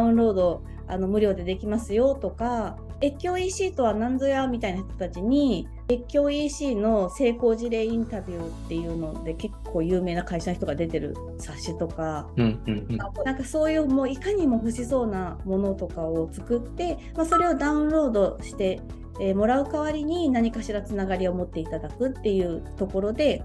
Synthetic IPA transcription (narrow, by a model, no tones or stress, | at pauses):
aɯ̃nɾo̞ːd̪o̞ | a̰no̞mɯ̟ɾʲo̞ːd̪e̞d̪e̞kʲimasɨjo̞t̪o̞ka | e̞kʲːo̞ːiːɕiːt̪o̞βanãnd͡zojamʲit̪ainaçi̥t̪o̥t̪at͡ɕiɲ̟i | e̞kʲːo̞ːiːɕiːno̞se̞ːko̞ːʑiɾe̞ːĩnt̪abʲɯ̟ːt̪ːe̞jɯ̟ːno̞d̪e̞ke̞kʰːo̞ːjɯ̟ːme̞ːnakaiɕançi̥t̪o̞ɡad̪e̞t̪e̞ɾɯ̟̰ | saɕːit̪o̞ka | nãŋkaso̞ːjɯ̟ːmoːikaɲ̟imo̞ɸɯ̟ɕiso̞ːnamo̞no̞t̪o̞kaot͡sɨ̥kɯt̪ːe̞ | maso̞ɾe̞o̞d̪aɯ̟̃nɾo̞ːd̪o̞ɕi̥t̪e̞ː | mo̞ɾaɯ̟kaβ̞aɾʲiɲ̟inaɲ̟ikaɕiɾat͡sɨnaɡaɾʲiomo̞t̪ːe̞it̪ad̪akɯ̟t̪ːe̞jɯ̟ːt̪o̞ko̞ɾo̞d̪e̞